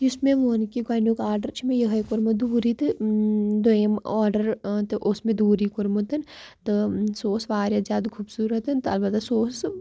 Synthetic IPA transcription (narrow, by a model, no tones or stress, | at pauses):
ʊsmẽʋoːnkiɡajnjuːkaːɾɖəɾt͡ʃʰimẽjɐɦɐjkoɾmɐd̪uːɾit̪ɨd̪oemaːɾɖəɾt̪ɨʔʊsmẽd̪uːɾikoɾmot̪ɨnt̪ɨsoːsʋaːɾjɐzʲaːd̪kʰuːbsuːɾət̪ɨnt̪ɨɐlbɐt̪ːasoːs